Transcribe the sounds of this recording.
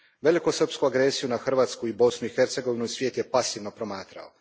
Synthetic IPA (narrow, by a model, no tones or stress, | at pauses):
ʋe̞likusər̩pskuaɡɾe̞sijunaxr̩ʋaːt̪skuibo̞snuixe̞ɾt̪se̞ɡo̞ʋinuisʋjeːt̪je̞pasiʋnopɾo̞maːt̪ɾa̰o